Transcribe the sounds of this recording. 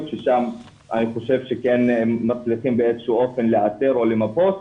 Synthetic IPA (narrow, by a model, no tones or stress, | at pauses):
vʃeʃam | ʔa̰niχo̞ʃe̞vʃekenːat͡sliχimbeezʃuʔofenleateʁolemapos